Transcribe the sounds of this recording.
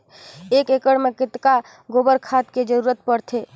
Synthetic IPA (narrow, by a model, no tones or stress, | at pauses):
ekekəɽmekɪt̪ka | ɡobəɾkʰat̪ked͡ʒəɾuɾət̪̚pəɾt̪ʰe